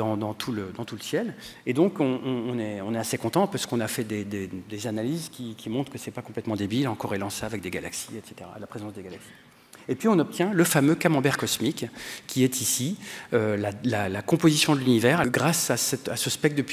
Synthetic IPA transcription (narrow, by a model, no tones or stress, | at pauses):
d̪ɑ̃d̪ɑ̃t̪ʰuləd̪ɑ̃t̪uləsjɛled̪ɔ̃kɔ̃ɔ̃ːnɛɔ̃nɛasekɔ̃t̪ɑ̃paʁsə̥kɔ̃nafɛd̪ed̪ed̪ezanalizkʲikʲʰimɔ̃t̪χkəsɛpakɔ̃plɛt̪mɑ̃d̪ebilɑ̃kɔʁelɑ̃saavɛk̚d̪eɡala̰ksiɛt̪se̥t̪eʁa̰lapχezɑ̃sd̪eɡalaksi̥ | epɥiɔ̃nɔp̚t̪jɛ̃ləfamøkamɑ̃bɛʁkɔsmikkʲːiɛt̪isiølalalakɔ̃pozisjɔ̃d̪əlynivɛʁaɡʁasasɛt̪asəspɛk̚d̪əp